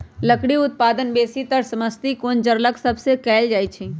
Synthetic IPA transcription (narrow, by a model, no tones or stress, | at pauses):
ləkɽiʊt̪̚paːd̪ənbeːsit̪əɾsɐməst̪ikond͡ʒəɾləksɐbsekɛːld͡ʒaːit͡ʃʰiː